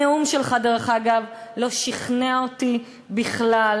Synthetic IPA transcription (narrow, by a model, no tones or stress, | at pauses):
eumʃelχad̪eʁaχaːɡavlo̞ʃiχneaoti | biχlal